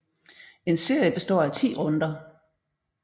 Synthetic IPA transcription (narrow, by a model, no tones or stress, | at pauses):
e̝nse̝ɐ̰jəb̥e̝sd̥ɒ̰ːæt͡sʰḭːʁɔ̽nd̥ɐ